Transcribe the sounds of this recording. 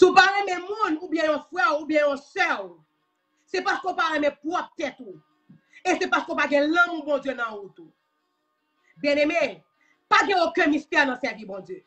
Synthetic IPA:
supaʁɛ̃mɛ̃mũnubjɛ̃jɔ̃fʁɛʁubjɛ̃jɔ̃sɛ | sɛpaskøopaʁɛ̃mɛ̃pʁɔp̚t̪ɛt̪u | esɛpaskøopaɡɛ̃lʌ̃mũbɔ̃d͡zjønãut̪u | bjɛ̃nemɛ̃ | paɡɛ̃okɛ̃mist̪ɛʁnɐ̃sɛvibɔ̃d͡zjø

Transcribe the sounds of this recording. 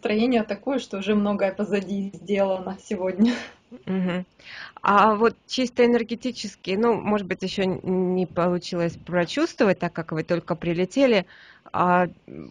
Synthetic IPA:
st̪ɾɐjenʲɪjət̪ɐkojəʂt̪oʊʐɛmno̞ɡəjəpəzɐdʲizʲdʲelˠənəsʲɪvo̞dʲnʲə | ɦm̩ | avo̞t̪̚t͡ɕist̪əɪnʲərɡʲɪtʲit͡ɕɪskʲɪjnumo̞ʐɨt̪d̪bɨtʲjɪɕːonʲɪpəlˠʊt͡ɕilˠəsʲpɾɐt͡ɕust̪vəvət̚ʲt̪akːakvɨt̪o̞lʲkəpɾʲɪlʲɪtʲelʲɪa

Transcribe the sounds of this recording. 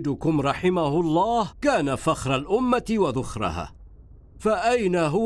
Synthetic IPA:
d̪ʊkʊmɾˤɑħɪmahʊlˤːɑːhkaːnafaxɾˤalʔʊmːat̪ɪwaðʊxɾˤɑ̰ha̰ː | faʔajnaɦʊ

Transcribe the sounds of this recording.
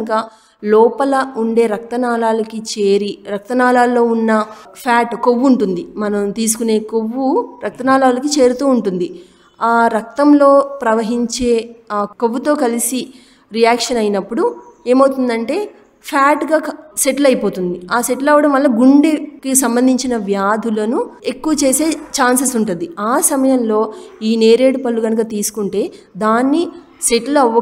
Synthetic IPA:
kɐ | lɔːpɐlɐuɳɖe̞ːɾɐk̚t̪ɐnaːlaːlɐkit͡ʃe̞ːɾiɾɐk̚t̪ɐnaːlaːlːo̞ːunːɐ | pʰaːʈko̞ʋːuːɳʈund̪imɐnɐmt̪iːs̬u̥kune̞ːkoʋːuɾɐk̚t̪ɐnaːlaːlɐkit͡ʃe̞ːɾut̪uːuɳʈund̪i | aːɾɐk̚t̪ɐmlo̞ːpɾɐʋɐɦiɲt͡ʃe̞ːkoʋːut̪o̞ːkɐlisi | ɾijaːkʂɐnɐjinɐpːuɽue̞ːmɐwt̪und̪ɐɳʈe̞ː | pʰaːʈɡaːseʈlɐjipo̞ːt̪und̪iaːse̞ʈlɐʋːɐɽɐmʋɐlːɐɡuɳɖekisɐmbɐnd̪ʱiɲt͡ʃinɐʋjaːd̪ʱulɐnue̞kːuʋɐt͡ʃe̞ːse̞ːt͡ʃaːnsɐsuɳʈund̪iaːsɐmɐjɐmlo̞ːiːne̞ːɾe̞ːɖupɐlːuɡɐnɐk̬ɐt̪iːsu̥kuɳʈe̞ːd̪aːnːi | se̞ʈlɐʋɐ

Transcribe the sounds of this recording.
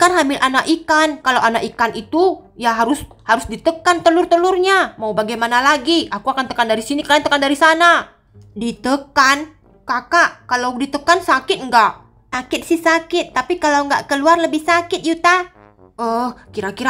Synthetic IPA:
kanɦamɪlʔanaʔʔikankalawʔanaʔikanit̪u | jaɦaɾʊs | haɾʊsdit̪əkant̪əlʊrt̪əlʊrɲamaubaɡajmanalaɡiakuakant̪əkandaɾisinikəɾaant̪əkandaɾisana | dit̪əkan | kakaʔkalawdit̪əkansakɪt̪̚ŋɡaʔ | akɪt̪̚sɪhsakɪt̪ːapikalawŋɡa̰ʔkəluarləbɪhsakɪt̪̚jut̪a | əhkiɾakiɾa

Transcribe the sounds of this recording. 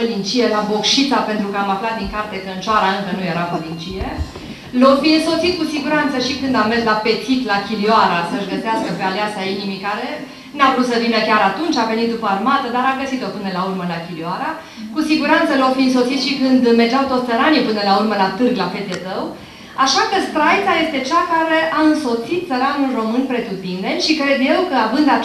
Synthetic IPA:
əlint͡ʃije̞labo̞kʃit̪ape̞nt̪ɾukəamaflat̪̚d̪iŋkart̪ek̪ənt͡ʃoaɾaɨŋkənuje̞ɾapəlint͡ʃije̞ | lofinso̞t̪sit̪̚kusiɡuɾant̪səʃikɨnd̪amerslape̞t̪sit̪lakʲilioaɾasəʒɡəseaskəpe̞aleasainimikaɾe̞ | navɾut̪səvinəkʲaɾat̪unt͡ʃave̞nit̪̚d̪upəarmat̪əd̪aɾaɡəsit̪o̞pɨnəlaurməlakʲilioaɾa | kusiɡuɾant̪səlawfiɨnso̞t̪sit̪ʃikɨnd̪merd͡ʒawt̪o̞t̪səɾanijepɨnəlaurməlat̪ɨrɡlafe̞t̪et̪əw | aʃakəst̪ɾajtsaje̞st̪e̞t͡ʃakaɾeʔaɨnso̞t̪sit̪̚t̪səɾanɨnro̞mɨnpɾe̞t̪ut̪ind̪e̞nʃikɾe̞d̪je̞wkəavɨnd̪a

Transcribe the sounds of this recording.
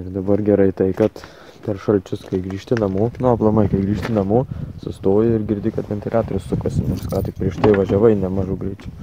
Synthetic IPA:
ɪrd̪ɐbɐrɡʲɛɾɐɪt̪ɐɪkɐt̪ | pʲɛɾʃɐlʲt͡ʃʲʊskɐɪɡɾʲiːʃʲt̪ʲɪnɐmuːnʊɐplˠɐmɐɪkɐɪɡɾʲiːʃʲt̪ʲɪnɐmuːsʊst̪oːjɪɪrɡʲɪɾʲd̪ʲɪkɐt̪ʋʲɛnʲt̪ʲɪlʲɑːt̪oːɾʲʊssʊkɐsʲnʲɛskɑːt̪ʲɪk̚pʲɾʲiɛʃt̪ɐɪʋɐʒʲɛʋɐɪnʲɛmɑʒʊːɡɾʲɐɪt͡ʃʲʊ

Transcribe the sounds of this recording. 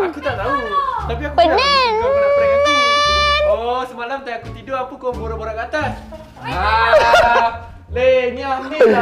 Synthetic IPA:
akut̪aʔt̪aut̪ap̬iakunaiobaɾapɾakat̪i | osəmalamt̪ajakut̪idoapukoboɾaboɾakat̪as | a | leɲani

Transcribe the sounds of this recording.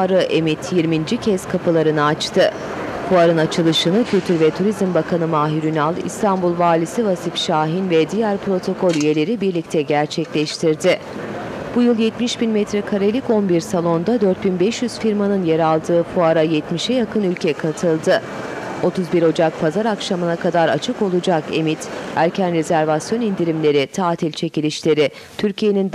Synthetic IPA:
aɾɯʔemit̪ʰjiɾmind͡ʒicʰɛskʰapʰɯlˠaɾɯnɯat͡ʃt̪ʰɯ | fuaɾɯnat͡ʃʰɯlˠɯʃɯnɯcʰylʲt̪ʰyɾvɛt̪ʰuɾizmbakʰanɯmaːɦiɾynalˠḭst̪ʰanbulˠvaːlʲisivasifʃaːɦinvɛd̪ijæɾpɾo̞t̪ʰo̞kʰo̞lʲyje̞lʲe̞ɾibiɾlʲic̚t̪ʰɛɟæɾt͡ʃʰɛclʲɛʃt̪ʰiɾd̪ɪ | b̥ujɯlˠjɛt̪miʃbinmɛt̪ɾɛkʰaɾelʲico̞nbiɾsalˠo̞nd̪ad̪ø̞ɾt̪̚binbɛʃjyz̥fiɾmanɯnje̞ɾalˠd̪ɯːfuaɾajɛt̪miʃɛjakɯnylʲcʰɛkʰat̪ʰɯlˠd̪ɯ | o̞t̪ʰuzbiɾo̞d͡ʒak̚pʰazaɾakʃamɯnakʰad̪aɾa̰t͡ʃʰɯko̞lˠud͡ʒake̞̰mit̪æɾcʰænɾe̞zæɾvasjo̞nind̪iɾimlʲe̞ɾit̪ʰaːt̪ʰilʲt͡ʃʰe̞cilʲiʃlʲe̞ɾɪ | t̪ʰyɾcʰije̞nin

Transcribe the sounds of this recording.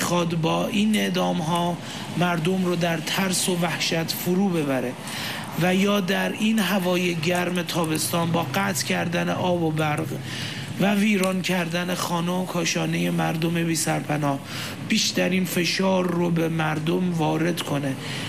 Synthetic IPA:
xɒːd̪bɒːʔiːne̞ʔd̪ɒːmɦɒː | mæɾd̪o̞mrod̪æɾt̪ʰæɾso̞væhʃæt̪ʰfoɾuːbe̞bæɾe̞ | væjɒːd̪æɾiːnɦævɒːjeɟæɾme̞t̪ʰɒːbe̞st̪ɒːnbɒːɢæːt̪ʰcʰæɾd̪ænḛʔɒːbobæɾɢ | væviːɾɒːncʰæɾd̪æne̞xɒːnɛokʰɒːʃɒːne̞je̞mæɾd̪ome̞biːsæɾpʰænɒːh | b̥iːʃt̪æɾiːnfe̞ʃɒːɾːobemæɾd̪o̞mvɒːɾe̞d̪kʰo̞ne̞

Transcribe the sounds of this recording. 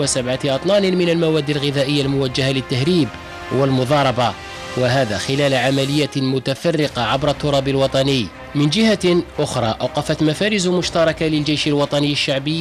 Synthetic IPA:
wasabʕat̪ʔɑt̪ˤlɑːnɪnmɪnalmawæd̪ːilɣɪðæːʔəjːalmʊwæd͡ʒːahalɪt̪ːahɾiːb | wəlmʊd̪ˤɑɾˤɑbɑ | waɦæːd̪æxɪlæːlʕamælɪjːamʊt̪afɑrːɪqɑʕabɾˤɑt̪ːʊɾˤɑːbəlwɑt̪ˤɑnəjː | mɪnd͡ʒɪhaʔʊxɾˤɑːʔawqɑfat̪mafæːɾɪzmʊʃt̪ɑɾˤɑkalɪld͡ʒejʃalwɑt̪ˤɑnəjːəʃːaʕbə

